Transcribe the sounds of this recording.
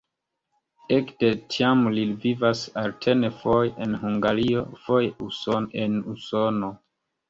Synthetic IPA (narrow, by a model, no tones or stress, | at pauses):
ekde̞tʰiamlivivasaltʰenefojenhuŋɡaɾiofojusoenusono̞